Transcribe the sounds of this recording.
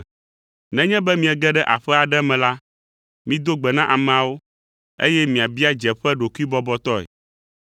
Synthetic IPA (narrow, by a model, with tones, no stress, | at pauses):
nɛ̃˦ɲɛ̃˦bɛ˦mĩ˨ɛ˨ɡɛ˦ɖɛ˦ʔa˨ɸɛ˦a˨ɖɛ˦mɛ̃˨la˦ | mĩ˦d̪o˦ɡ͡bɛ˨nã˦ʔa˨mɛ̃˨a˨wo˦ | ḛ˦jɛ˦mĩ˨a˨bi˦a˦d͡ʒɛ˨ɸɛ˦ɖo˨ku˦i˦bɔ˦bɔ˦t̪ɔ˦ɛ̰˨